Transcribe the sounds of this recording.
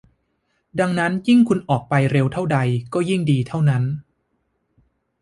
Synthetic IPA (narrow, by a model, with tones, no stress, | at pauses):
da˧ŋna˦˥nji˥˩ŋkʰu˧nʔɔː˨˩k̚pa˧jɾe˧wt̪ʰa˥˩wda˧jkɔː˥˩ji˥˩ŋdiː˧t̪ʰa˥˩wna˦˥n